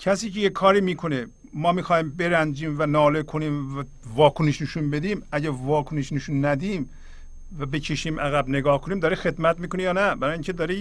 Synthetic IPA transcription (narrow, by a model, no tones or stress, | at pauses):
cʰæsiːcejekʰːɒːɾiːmiːkʰo̞ne | mɒːmiːxɑːjiːmbe̞ɾænd͡ʒiːmvænɒːlekʰoniːmæ | vɒːkʰoneʃneʃunbe̞d̪iːmæɟæɾvɒːkʰoneʃneʃunːæd̪iːm | væbe̞cʰeʃiːmʔæɣæbneɡɒːhkʰoniːmd̪ɒːɾexe̞d̪mæt̪miːkonejɒːnæbæɾɑːjiːŋʲcʰed̪ɒːɾe